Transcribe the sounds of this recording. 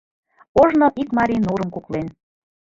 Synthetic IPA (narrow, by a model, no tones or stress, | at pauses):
oʒnoʔikmɑɾʲinuɾəmkuklen